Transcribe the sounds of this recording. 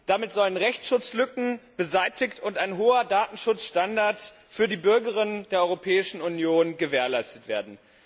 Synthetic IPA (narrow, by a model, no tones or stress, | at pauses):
d̥amɪtz̥ɔlənʁɛçt͡sʃʊt͡slʏkŋ̩b̥əzaɪtɪçtʰʊntaɪnɦoːɐdaːtn̩ʃʊt͡sʃtandaɐt | fyːɐdiːbʏɐɡəʁɪnəndeːɐʔɔʏʁopʰɛːɪʃn̩unjoːnɡəveːɐlaɪstətv̥eːɐdn̩